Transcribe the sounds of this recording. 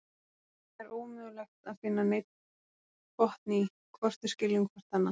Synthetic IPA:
ɛɾoːwmʏːðʏlɛxt̪aðfɪnːanejt̪ | kʰɔht̪ni | kʰvɔr̥t̪ʏ̥scɪlːʏŋkʰvar̥t̪hanːa

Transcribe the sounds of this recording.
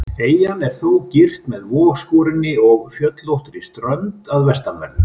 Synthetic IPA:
θeːjanɛɾ̥θowcɪr̥t̪mɛðvɔːɣskɔːɾɪnɪɔɣfjœt̪lowht̪ʏɾist̪ɾœnt̪aðvɛst̪amvɛ̰ɾðʏ

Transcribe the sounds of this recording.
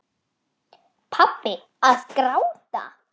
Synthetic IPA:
pʰapːɪ | aðkɾawt̪a̰

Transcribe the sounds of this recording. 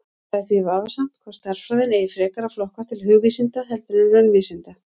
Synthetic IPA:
aθvivaːvasam̥t̪kʰvaɾ̥st̪aɾ̥fɾaðɪnɛːjɪfɾɛːkaɾaflɔhkḁt̪ʰɪlhʏːɣvisɪnt̪aɦɛlt̪ʏnɪnːanʏviːsɪnt̪a

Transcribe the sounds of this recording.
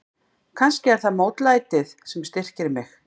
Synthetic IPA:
kʰanscɪɛɾ̥θaðmoːwt̪laːjt̪ɪðsɛmst̪ɪr̥cɪɾmɪx

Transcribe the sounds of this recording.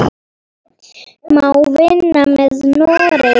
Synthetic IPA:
mauvenːamɛznɔɾɛ

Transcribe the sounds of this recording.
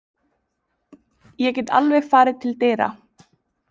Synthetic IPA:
jɛcɛt̪a̰lvɛɣfaːɾɪt̪ʰɪlt̪eːjɾa̰

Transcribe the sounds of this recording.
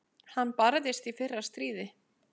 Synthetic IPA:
hanːpaɾðɪst̪ifɪrːḁst̪ɾiːðɪ

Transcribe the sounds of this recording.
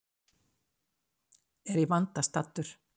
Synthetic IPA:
ɛɾivant̪ast̪at̪ːʏɾ̥

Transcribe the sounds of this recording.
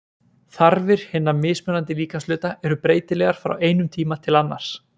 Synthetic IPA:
θaɾvɪɾ̥hɪnːamɪːsmœnant̪ɪliːkaslʏːt̪aʔɛɾʏpɾeːjt̪ɪlɛɣaɾ̥fɾa̰weːjnʏmt̪ʰiːmat̪ʰɪlanːa̰ɾ̥s

